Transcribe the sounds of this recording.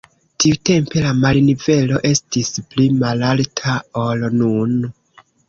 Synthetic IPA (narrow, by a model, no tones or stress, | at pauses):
tiute̞mpe̞lamalnive̞lo̞ʔe̞stisplimalaltʰaolnun